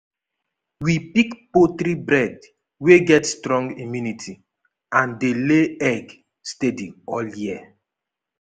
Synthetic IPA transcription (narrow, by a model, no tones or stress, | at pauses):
wipikpot̪ɾibɹɛd | weɡɛtstɹɔ̃ŋɡimjunitʰi | ãndeleɛɡ | stedĩɔljiə